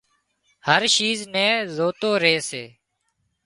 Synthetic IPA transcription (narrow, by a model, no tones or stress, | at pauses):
həɾʃiːznɛːzoːt̪oːɾeːseː